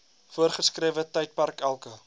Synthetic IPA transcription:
fuərχəskriəvətəjt̚pɐrkælˠkə

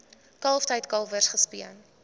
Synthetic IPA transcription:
kɐlˠftəjtkɐlˠvərsχəspiən

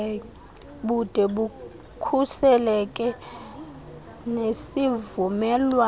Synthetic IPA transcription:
ɓud̥ʱɛɓu | kʰusɛlɛkʼɛ | nesivumɛlwa

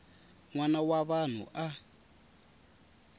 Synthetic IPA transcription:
ŋwanawaβan̤ṵʔa

